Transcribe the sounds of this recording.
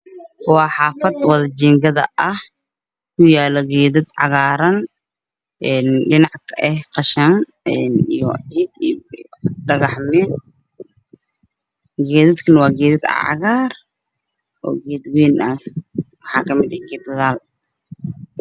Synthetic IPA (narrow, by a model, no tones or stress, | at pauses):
wɑːħɑːfɐd̪wɐðɐt͡ʃiːŋɡɐðɐʔɐh | kʰʊjaːlɔɡɛːðɪd̪ʕɑ̰ɣaːɾɐn | ʔɛːnɖɪnɑʕkʰɐʔɛhqɑʃan | ɛnḭjɔʕiːd̪̚ | ɖɐɣɐħmɛn | ɡɛːðɪd̪kʰɐnwɑːɡɛːðɪd̪a̰ʕɑ̰ɣaːr | ʔɔ̰ːɡɛːd̪wɛːnʔɐhwɑħɑːkʰɐmɪd̪ɐɡɛːd̪ɐðaːl